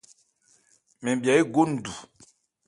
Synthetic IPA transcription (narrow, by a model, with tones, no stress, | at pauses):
mɛ̃˨bja˨e˦ɡo˦n̩˨du˨